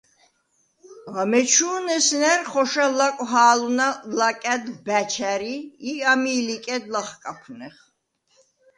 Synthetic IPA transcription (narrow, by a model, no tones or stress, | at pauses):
ʁamɛt͡ʃʰuːnɛsnɛɾχɔʃalakʼɦaːlunalakʼɛd̪bæt͡ʃʰæɾiːamiːlikʼɛd̪laχkʼapʰunɛχ